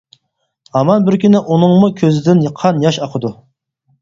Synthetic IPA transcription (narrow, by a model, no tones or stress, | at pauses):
ɑmɑnbɪɾkʲʰynɪʔunɨŋmukʲʰøzɪd̪ɪnjəqʰːɑnjɑʃɑqʰəd̪u